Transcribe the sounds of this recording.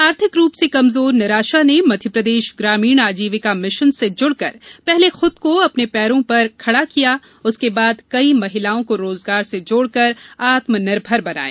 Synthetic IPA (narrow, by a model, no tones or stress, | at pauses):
aːɾt̪ʰɪkɾuːpsekɐmzoːɾnɐɾaːʃanemɐd̪ʱjəpɾɐd̪eːʃɡɾaːmiːɽ̃aːd͡ʒiːʋɪkamɪʃənsed͡ʒʊɽkɐɾpɛɦlexʊd̪̚koɐpnepɛːɾõpɐɾkʰɐɽakija | ʊskebaːd̪kɐimɐɦɪlaːõkoɾoːzɡaːɾsed͡ʒoːɽkɐɾaːt̪mənɪɾbʱɐɾbɐna̰ːḛː